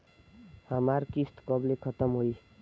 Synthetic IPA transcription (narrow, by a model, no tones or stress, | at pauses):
hʌmaɾkist̪kʌblekʰʌt̪ʌmɦoj